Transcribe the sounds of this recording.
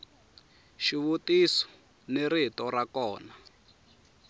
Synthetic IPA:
ʃiβutisɔ̥ | neɾitɔɾakɔːna

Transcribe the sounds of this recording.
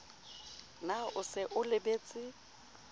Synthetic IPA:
naʊsɪʔʊlɪbeːt͡sʼɪ

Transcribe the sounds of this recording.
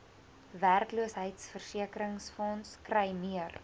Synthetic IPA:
værkluəsɦəjtsfərsiəkəɾəŋsfɔnskrəjmiər

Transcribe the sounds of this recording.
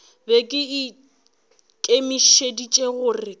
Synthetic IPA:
bekʼɪɪ | kʼemiʃedit͡ʃʼeɣʊːrɪ

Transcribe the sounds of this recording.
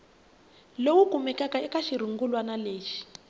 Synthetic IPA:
lowukumɛkakaɛkaʃiɾ̤uŋɡulwanaleːʃi̥

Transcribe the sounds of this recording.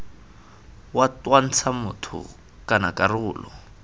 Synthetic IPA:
watwan̩t͡sʰamʊtʰʊ̰ | kʼanakʼarʊːlɔ̰

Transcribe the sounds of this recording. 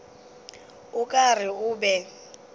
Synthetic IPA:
ʊkʼar̤ɪʊːbɛ

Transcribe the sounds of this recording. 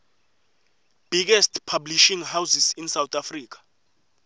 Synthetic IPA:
b̥iɡ̬ɛstʰpʰabliʃiŋɦawsisinsawt̪ʰafriːk̬ʰḁ

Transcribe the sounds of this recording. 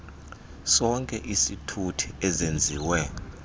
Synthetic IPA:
sɔŋkʼɛʔisitʰutʰi̥ɛzend͡zʱiːwɛ

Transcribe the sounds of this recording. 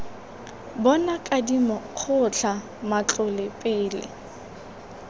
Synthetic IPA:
bɔnakʼadimɔk͡xʰʊt͡ɬʰa | mat͡ɬʼʊlɪpʼɪːlɪ̰

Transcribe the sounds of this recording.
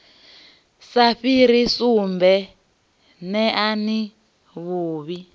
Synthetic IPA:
saɸiɾisumbɛ | nɛʔani | βuːβi

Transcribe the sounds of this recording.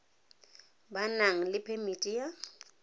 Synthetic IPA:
banaŋ̩lɪpʰemitʼija

